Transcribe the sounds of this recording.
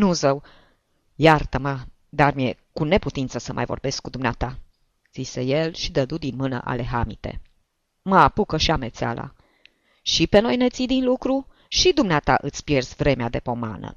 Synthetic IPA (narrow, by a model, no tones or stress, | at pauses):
nuzəw | jart̪əmə | d̪armjekune̞put̪int̪səsəmʔa̰jvorbe̞skːud̪umneat̪a | z̥ise̞je̞lʃid̪əd̪ud̪inmɨnə̰ʔa̰le̞ɦamit̪e̞̰ | məapukəʃiame̞t̪sea̰la̰ | ʃipe̞no̞jne̞t̪sid̪inlukɾu | ʃid̪umneat̪aʔɨt̪sʲpje̞rzvɾe̞mead̪e̞po̞ma̰nə̰